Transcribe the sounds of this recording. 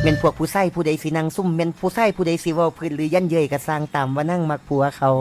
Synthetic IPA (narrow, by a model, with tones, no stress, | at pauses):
mɛ˧˥˨npʰu˧˩ək̚pʰuː˧˩sa˧˩jpʰuː˧˩da˨˧˩jsi˧˦na˧˩˨ŋsu˧˥˩mːɛ˧˨npʰuː˧˩saː˧˩˨jpʰuː˧˩da˧˦jsi˧˦ʋaː˧˩pʰɯː˧˥˨nlɯː˨˦ja˧˥˨njɤː˧˨jka˧˩saː˧˩ŋt̪aː˨mwaː˧na˧˨ŋma˧˩k̚pʰu˧˦ɐ˧kʰa˧˩w